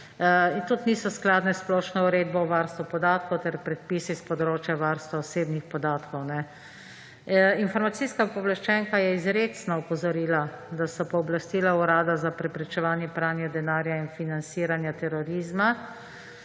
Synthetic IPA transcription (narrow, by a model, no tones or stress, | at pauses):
int̪ut̪niːsɔsklaːd̪nɛsplɔːʃnɔuɾeːd̪̚bɔʋaɾst̪ʋupɔd̪aːt̪kɔwt̪ɛɾpɾɛt̪̚pisispɔd̪ɾoːt͡ʃjaʋaɾst̪ʋaɔseːbnixpɔd̪aːt̪kɔwnɛ | infɔɾmat̪siskapɔʋlaʃt͡ʃɛŋkajɛizɾeːsnɔɔpɔzɔɾiːlad̪asɔpɔɔblast̪ilauɾaːd̪azapɾɛpɾɛt͡ʃɛʋaːnjɛpɾaːnjɛd̪ɛnaːɾjainfinant̪siːɾanjat̪ɛɾɔɾiːzma